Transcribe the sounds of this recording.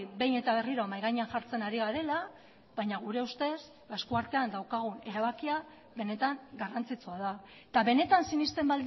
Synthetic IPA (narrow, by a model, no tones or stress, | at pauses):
be̞jne̞t̪aβ̞e̞riɾomajɣaɲeaŋʝaɾt͡se̞naɾiɣaɾe̞la | βajɲaɣ̞uɾe̞ust̪e̞s | aeskuaɾt̪e̞and̪awkaɣ̞une̞ɾaβ̞akia | βe̞ne̞t̪aŋɡarant͡sit͡soaða | et̪aβe̞ne̞t̪ansinist̪e̞mbald̪